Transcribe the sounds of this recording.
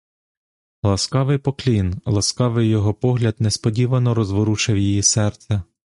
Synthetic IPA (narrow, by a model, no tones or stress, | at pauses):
lˠɐskɑʋɪjpɔklʲinlˠɐskɑʋɪjjːɔɦɔpɔɦlʲɐd̪nɛspɔdʲiʋɐnɔɾɔzʋɔɾut͡ʃɛwjijisɛrt̪sʲɛ